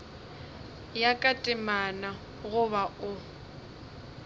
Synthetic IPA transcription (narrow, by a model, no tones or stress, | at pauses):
jakʼatʼɪmana | ɣʊβaʊ